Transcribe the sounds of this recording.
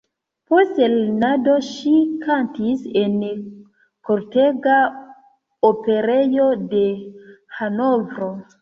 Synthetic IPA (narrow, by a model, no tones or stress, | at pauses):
postelnado̞ʃikʰantisen | koɾteɡa | ope̞ɾejo̞de̞hanovɾo